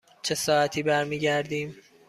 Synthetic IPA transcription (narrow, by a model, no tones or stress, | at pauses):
t͡ʃʰesɒːæt̪ʰiːbæɾmiːɟæɾd̪iːm